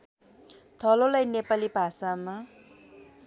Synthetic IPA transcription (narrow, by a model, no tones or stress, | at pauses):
t̪ʰʌlolajnepalibʱasama